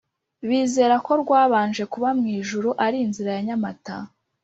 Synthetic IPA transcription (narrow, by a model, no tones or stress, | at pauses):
βiːze̞ːɾako̞ɾɡwaːβaːnd͡ʒe̞kuβamŋiːʒuɾuʔaɾiːnziɾajaɲamata̰